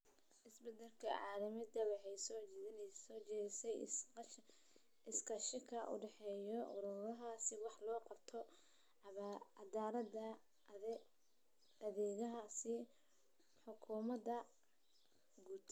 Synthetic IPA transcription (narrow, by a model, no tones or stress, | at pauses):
ʔɪsbɛd̪ɐlkʰɐ̰ʕɑːlɐmɪd̪ɐwɑħɛjsɔːɔt͡ʃɛɪsɛj | ɪskɐʃɪkʰɐʔʊ̰ɖɛħɛːjɔʔʊ̰ɾʊɾɐɦasɪwɑħlɔːqɑb̥t̪ʰɔ | ɑd̪aːɾɐdɐ | ɐðɛːɣɐɦasɪ | ħʊkʰuːmɐd̪ɐ | ɡuːd̪